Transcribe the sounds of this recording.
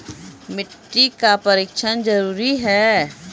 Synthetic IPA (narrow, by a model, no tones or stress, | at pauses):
mɪʈːikapəɾiːkʃʰənd͡ʒɐɾuːɾiɦɛː